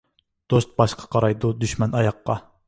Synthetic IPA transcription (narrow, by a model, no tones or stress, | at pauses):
d̪̥ost̪̚bɑʃqʰɑ̥qʰɑɾɑjd̪ud̪yʃmɛnɑjɑqːɑ